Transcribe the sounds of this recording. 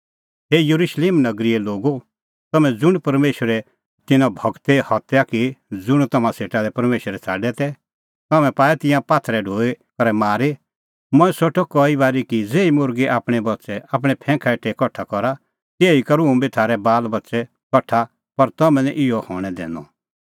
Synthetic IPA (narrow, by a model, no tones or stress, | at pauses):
ɦejɐɾuʃleːmnɐɡɾiɛloːɡo | t̪ɐmɛ̃d͡zʊɽ̃pɐɾmeːʃwəɾɛ | t̪ɪnãbʱɐɡt̪ehɔt̪jakid͡zʊɽ̃t̪ɐmãseːʈalɛpɐɾmeːʃəɾɛt͡sʰa̰ːɖɛt̪ɛ | t̪ɐmɛ̃paːɛt̪ɪ̃jãpaːt̪ʰɾɛɖʱoːe | kɐɾɛmaːɾe | mɔ̃ːɛ̃soʈʰɔkɔibaːɾikid͡zeːimʊɾɡiʔaːpɽ̃ɛbɐtːʃɛʔaːp̬ɽ̃ɛpʰɛ̃ːkʰaʈʰekɔʈʰːakɔɾa | t̪eːikɐɾũũbʱit̪ʰaːɾɛbaːlbɐtːsɛ | kɔʈʰːa | pɐɾt̪ɐmɛ̃nɛʔɪɔhɔ̰ːɽ̃ɛd̪ɛ̰̃ːnɔ̰